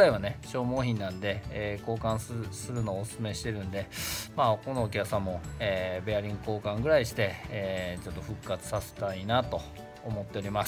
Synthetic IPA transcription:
aiβane̞ɕo̞ːmo̞ːçĩnːãnd̪e̞ko̞ːkãɰ̃ssɨɾɯ̟no̞ːsɨ̥sɨme̞ɕi̥t̪e̞ɾɯ̟̃nd̪e̞maːko̞no̞ːkʲakɯ̟sãmːo̞eːbe̞aɾʲĩŋɡɯko̞ːkãŋɡɯ̟ɾaiɕi̥t̪e̞et͡ɕo̞t̪ːo̞ɸɯ̟kːat͡sɨ̥sase̞̥t̪ainat̪o̞ː | mo̞t̪ːe̞oɾʲimas

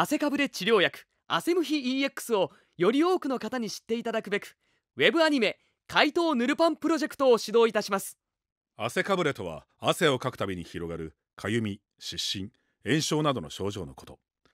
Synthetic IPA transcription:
ase̞kabɯ̟ɾe̞t͡ɕiɾʲo̞ːjakɯ̟̥ | a̰se̞mɯ̟çiiːe̞kːɯ̥sɨo̞ | jo̞ɾʲio̞ːkɯ̟no̞kat̪aɲ̟iɕi̥t̪ːe̞it̪ad̪akɯ̟be̞kɯ̟̥ | βe̞bɯ̟aɲ̟ime̞ | kait̪o̞ːnɯ̟ɾɯ̟pãmpɯ̟ɾo̞ʑe̞kɯ̟̥t̪o̞ːɕid̪o̞ːit̪aɕimasɨ̥ | ase̞kabɯ̟ɾe̞t̪o̞βa̰ː | se̞o̞kakɯ̟̥t̪abʲiɲ̟içiɾo̞ɡaɾɯ̟ | kʰajɯ̟mʲi | ɕiɕːĩŋ | ẽ̞ɰ̃ɕo̞ːnad̪o̞no̞̰ɕo̞ːʑo̞ːnoko̞̥t̪o̞

